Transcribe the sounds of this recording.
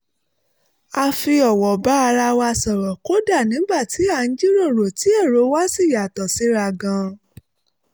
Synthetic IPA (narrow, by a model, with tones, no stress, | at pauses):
a˧fi˧ɔ˨wɔ˨ba˨˦a˧ɾa˧wa˧sɔ˨ɾɔ˨ko˦da˦˨nĩ˨˦ɡ͡ba˦˨ti˨˦a˦˨n̩˦d͡ʒi˦ɾo˦˨ɾo˨ti˨˦ɛ˦˨ɾo˨˧˦wa˦si˦˨ja˨tɔ˨si˨˦ɾa˧ɡã˧